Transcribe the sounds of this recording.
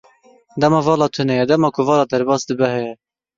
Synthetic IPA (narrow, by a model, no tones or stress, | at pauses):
d̪ɛmɑːvɑːlɑːt̪ʰɨnɛjɛd̪ɛmɑːkʰʊvɑːlɑːd̪ɛɾbɑːsd̪ɨbɛɦɛjɛ